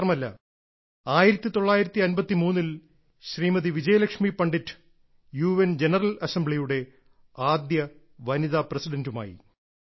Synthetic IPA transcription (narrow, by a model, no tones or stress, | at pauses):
rɐmɐlːɐ̰ | aːjiɾɐt̪ːit̪o̞ɭːaːjiɾɐt̪ːiɐnbɐt̪ːimuːnːil | ɕriːmɐðiʋid͡ʑɐjɐlɐkʂmipɐɳɖitː | juːʋend͡ʑe̞nɐrɐlɐsembɭijuɽe̞ | aːd̪jɐ | ʋɐniðaːprɐsiɖɐnduma̰ːjḭ